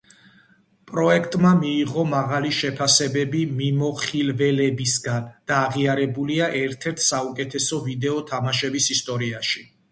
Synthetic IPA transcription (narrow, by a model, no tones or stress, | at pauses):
pʼɾɔɛkʰt̪ʼmamiːʁɔmaʁaliʃɛpʰasɛbɛbimimɔχilvɛlɛbisɡand̪̥aːʁiaɾɛbuliaʔɛɾt̪ʰɛɾt̪ʰsaukʼɛt̪ʰɛsɔvid̪ɛɔt̪ʰamaʃɛbisist̪ʼɔɾiaʃi